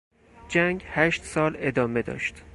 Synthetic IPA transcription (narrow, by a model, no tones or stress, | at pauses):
d͡ʒæŋɡhæʃt̪sɒːle̞d̪ɒːme̞d̪ɒ̰ːʃt̪